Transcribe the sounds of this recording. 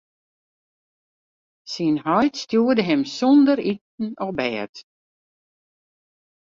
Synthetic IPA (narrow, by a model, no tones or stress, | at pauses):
sinhɔjtstjuədəɦɪmsɔndəɾit̚n̩ɔbɛːt